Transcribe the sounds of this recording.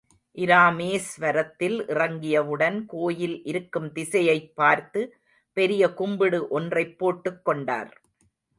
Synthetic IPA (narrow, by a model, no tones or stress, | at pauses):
ʔɪɾaːmeːsʋɐɾɐt̪ːɪlʔɪrɐŋɡɪjɐʋɯɽɐnkoːjɪlʔɪɾɯkːɯmt̪ɪsɐjɐɪpːaːɾt̪ɯ | pɛɾɪjɐkʊmbɪɽɯʔɔndrɐɪpːoːʈːɯkːɔɳɖa̰ːɾ